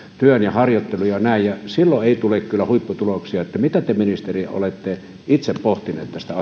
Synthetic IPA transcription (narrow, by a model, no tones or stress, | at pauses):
t̪yønjɑhɑrjot̪ːelujɑnæˑijjɑsilːoeˑit̪ulekkylːˑæhuipːut̪uloksiɑet̪ːæmit̪æt̪eminist̪erio̰let̪ːe | it̪seppoht̪inḛːt̪t̪æst̪æɑ